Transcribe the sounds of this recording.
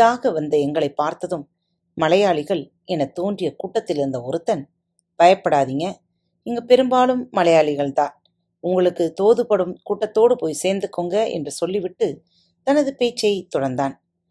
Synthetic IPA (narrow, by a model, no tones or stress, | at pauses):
ɪðaːɣɐʋɐnd̪ɐɛŋɡɐɭɐɪpːaːɾt̪ɐðɯmː | ɐlɐjaːɭɪɣɐɭ | ɛnɐt̪oːndrɪjɐkuːʈːɐt̪ːɪlɪɾɯnd̪ɐɔɾɯt̪ːɐn | b̥ɐjɐpːɐɽaːðiːŋɡɐ | ɪŋɡɐpɛɾɯmbaːlɯmːɐlɐjaːɭɪɣɐɭt̪ãː | ʊŋɡɐɭɯkːɯt̪oːðɯpɐɽɯmkuːʈːɐt̪ːoːɽɯpoːjseːɾnd̪ɯkːoːŋɡɐɛ̰ndrɯsɔlːiʋɪʈːɯ | t̪ɐnɐðɯpeːt͡ʃːɐjɐɪt̪ɔɽɐɾnd̪aːn